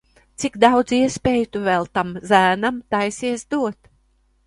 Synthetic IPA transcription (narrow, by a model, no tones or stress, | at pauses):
t̪sikd̪awd̪ziɛspʲeːjt̪uvɛlˠt̪amzæːnamt̪ajsiɛsd̪uɔt̪